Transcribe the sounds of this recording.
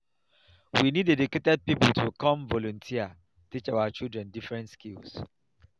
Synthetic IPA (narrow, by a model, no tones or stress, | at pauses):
winidediketɛd̚pipəltʰukʰɔ̃mvɔlɔ̃ntʰiə | tit͡ʃaat͡ʃilˠdɹɛ̃ndifɹɛ̃ntskils